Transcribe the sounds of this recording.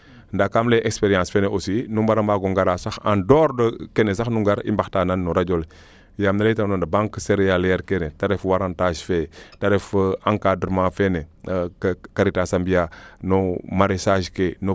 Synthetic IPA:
ndakamleʔekspeɾijãːsfeneosinumbaɾambaːɡoŋɡaɾasaxã̰ndɔːɾdəkenesaxnuŋɡaɾḭmbaxtaːnanːoɾad͡ʒol | jamnaletamnondəbãŋkseɾjaljɛɾkenetaɾefwaɾãntaʒfetaɾefãŋkadɾəmãːfene | kaɾitasambijanomaɾesaːʒkeno

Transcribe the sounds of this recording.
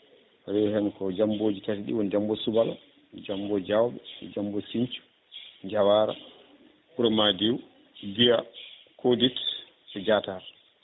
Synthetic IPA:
ɾɛhɛnkɔd͡ʒamboːd͡ʒitatiɗḭwɔnd͡ʒambɔsubala | d͡ʒambɔd͡ʒawɓɛ̰d͡ʒambɔsiɲt͡ʃu̥ | ɲd͡ʒawaːɾa̰ | kuɾɔmadiw | dija | kʰodit | ɛd͡ʒataɾ

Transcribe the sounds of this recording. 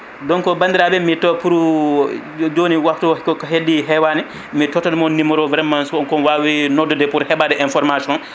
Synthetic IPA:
dɔnkɔbandiɾabɛmitɔpuɾu | d͡ʒoːniwaktukɔkɔɦedːiɦɛwanɛ | mitɔtɔdɛmɔnnimɔɾɔvɾɛmːansɔnkɔnwawinɔdːɔdɛpuɾhɛbadɛʔɛnfɔɾmasiɔn

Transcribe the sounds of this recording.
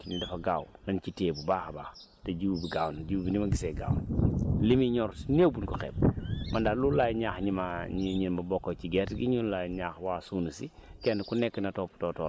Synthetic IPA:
inidɐfɐɡaːwnɐnciteːbubaːxbaːx | teɟubiɡaːwnɟuwbinimɐɡiseɡa̰ːwnlimiɲɔɾsnewbunkɔxɛ̰b̚mɐndalulajɲaːxɲimaɲiɲinbɐbɔkːociɡɛtɡiɲulajɲaːxwaːsuːnisikɛnkunɛkːnɐtoptoːtɔː

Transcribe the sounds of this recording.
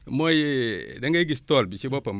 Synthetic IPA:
mojdaŋɡaɡistolbit͡ʃibopam

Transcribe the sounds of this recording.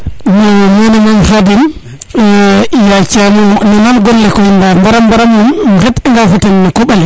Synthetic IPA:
nɔmenɛmanhadin | jat͡ʃamɔnimanɡɔlːɛkɔindambaɾambaɾamumɡɛtɛŋɡafutenːakoɓali

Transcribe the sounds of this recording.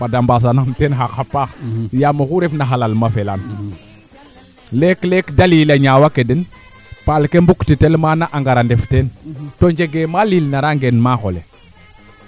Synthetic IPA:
padambas̬anamtenxaxapaxjamoxuɾefnaxalalmafelan | leklekdalilaɲawakedin | palkembuktitelmanaʔaŋɡaɾandeftentoɲd͡ʒeɡemalilnaɾaŋɡenmaxo̰lḛ

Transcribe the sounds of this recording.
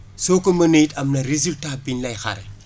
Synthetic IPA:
soːkomɐnetɐmnɐɾezultaːbinlɐjxa̰ɾɐ̰

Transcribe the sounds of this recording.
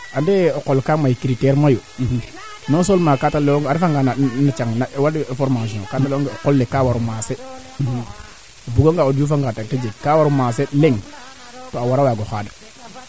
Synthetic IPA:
andeokolkamajkiɾiteɾmajo | nosolmakataleoŋɡaɾifaŋɡananat͡ʃaŋnawadfoɾmaʃ̬iõkataloŋɡeokolːekawaɾumase | buɡoŋɡaodufaŋɡatated͡ʒeɡkawaɾumas̬eleŋ | toawaɾawaɡoxaːdḁ

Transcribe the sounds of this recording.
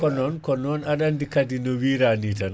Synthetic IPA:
kɔnɔnkɔnɔnaɗandikadinɔwiɾanitan

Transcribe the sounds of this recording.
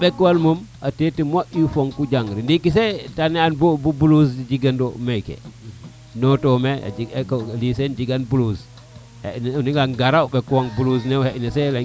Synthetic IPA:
ɓɛkːwalmuma̰tetimaʔufoŋkud͡ʒaŋɾindikis̬ɛtanɛanbobubulusd͡ʒiɡandɔmɛkɛ̰ | nɔtɔmɛa̰d͡ʒiklisɛnd͡ʒiɡanbulus | hɛnniŋɡanɡaɾauɓɛkːuwaŋbulusnɛhɛʔnɛsɛla

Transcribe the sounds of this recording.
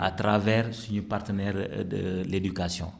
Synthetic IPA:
a̰t̪ɾavɛɾsiɲupart̪ənɛɾd̪əled̪ykasjɔ̰̃

